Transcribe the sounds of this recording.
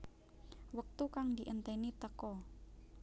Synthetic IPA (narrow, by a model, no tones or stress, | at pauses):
wək̚t̪ukaŋd̪iʔənt̪enit̪əkɔ